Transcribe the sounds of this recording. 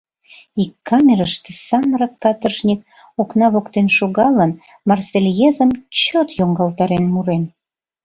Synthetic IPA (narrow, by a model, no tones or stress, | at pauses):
ikːɑmʲeɾəʃt̪e̥sɑməɾɑkːɑt̪ərʃnʲik̚ | oknɑβokt̪enʃoɣɑlən | mɑrselʲjezəmt͡ɕot̪joŋɡɑlt̪ɑɾenmuɾen